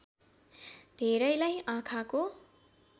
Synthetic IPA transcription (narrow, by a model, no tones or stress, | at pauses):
d̪ʱeɾʌjlajãkʰako